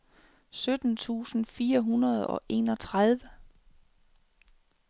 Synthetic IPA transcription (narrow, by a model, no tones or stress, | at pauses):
sød̥n̩t͡sʰṵːsn̩fiːɐɦunɐð̞̩ˠɒ̽ʔe̝ːnɒ̽t͡sʰʁað̞ˠʋə